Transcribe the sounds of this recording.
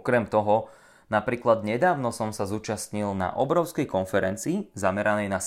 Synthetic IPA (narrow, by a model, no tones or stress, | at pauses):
kɾɛmt̪ɔɦɔ | napɾiːklad̪ɲɛd̪aːʊnɔsɔmsazuːt͡ʃast̪ɲilna̰ʔɔbɾɔʊskɛjkɔnfɛɾɛnt͡siːzamɛɾanɛjnas